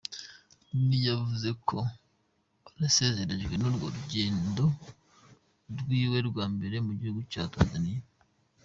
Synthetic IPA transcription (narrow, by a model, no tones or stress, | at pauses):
nijavuze̞kʰo̞ | aɾase̞ze̞ɾe̞ʒɡwe̞noɾɡo̰ɾuɟe̞ːndo̞ | ɾwiːwe̞ɾɡwaːmbe̞ɾe̞muɟihuɡuca̰ːta̰ːnzanije